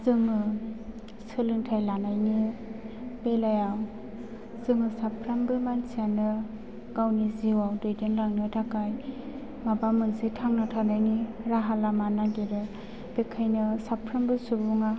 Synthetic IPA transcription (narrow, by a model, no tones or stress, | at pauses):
zɯŋɯ | sɯlɯŋtʰajlanajni | belajaw | z̥ɯŋɯsapʰɾambɯmansianɯ | ɡawniziwawdojdenlaŋnɯtʰakaj | mabamɯnsitʰaŋnatʰanajniɾaɦalamanaɡiɾɯ | b̥ekʰajnɯsapʰɾambɯsubuŋa